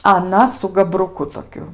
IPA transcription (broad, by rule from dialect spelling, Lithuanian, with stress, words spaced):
ɐˈnɐ sʊ ɡɐbrʊˈkʊ toːˈkʲʊ